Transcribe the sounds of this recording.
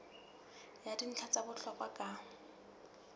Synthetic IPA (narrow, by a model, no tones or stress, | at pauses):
jadin̩t͡ɬʰat͡sabʊɬɔkʼakʼa